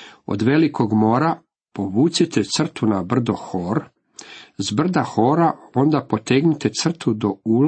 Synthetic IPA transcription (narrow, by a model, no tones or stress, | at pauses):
o̰d̪ʋe̞likʰo̞ɡmoːɾa | po̞ʋuːt̪sit̪et̪sr̩t̪unabr̩d̪o̞xoːɾ | zbr̩d̪axoːɾao̞nd̪apo̞t̪eɡnit̪et̪sr̩t̪ud̪o̞ul